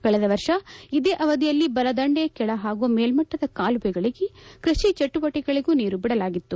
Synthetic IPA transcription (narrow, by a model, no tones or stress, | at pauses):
kɐɭɛd̪ɐʋɐɾʂɐid̪eːʔɐʋɐd̪ijɐlːibɐlɐd̪ɐɳɖekɛɭɐɦaːɡuʋɐmeːlmɐʈːɐd̪ɐkaːlubɛɡɐɭiɡekɾɐʃit͡ʃɐʈːubɐʈːɛɡɐɭiɡuːniːɾubiɽɐlaːɡit̪ːu